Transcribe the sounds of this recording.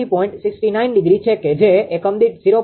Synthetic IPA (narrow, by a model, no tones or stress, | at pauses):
ipɔĩɳʈsɪksʈinainɖɪɡɾit͡ʃʰeked͡ʒeekəmd̪iʈ̚z̥iɾo